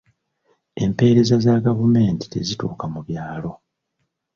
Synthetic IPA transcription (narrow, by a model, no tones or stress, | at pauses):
e̞mpe̞ːɾe̞zazaɡavume̞ːnti̥te̞̰zitṵːkamuβjaːlo̞